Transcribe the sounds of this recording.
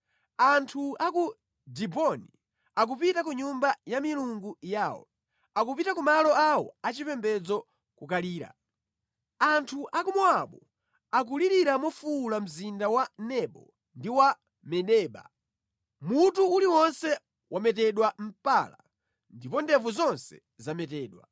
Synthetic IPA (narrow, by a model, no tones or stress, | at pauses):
antʰuaku | dibɔni | ak̬upitak̬uɲumbajamiluŋɡujaːwɔ̰ | akupitakumalɔawɔ̰at͡ʃipɛmbɛd͡zɔ | kukaliːɾa̰ | antʰuʔakumɔaɓɔ | ak̬uliɾiɾamɔfuːlam̩zindawanɛɓɔ̰ | ndiwa | mɛɗɛːɓa̰ | mutuuliwɔnsɛ | wʔamɛtɛɗwam̩pala̰ | ndipɔndɛvuzɔnsɛ̰ | zamɛtɛːɗwa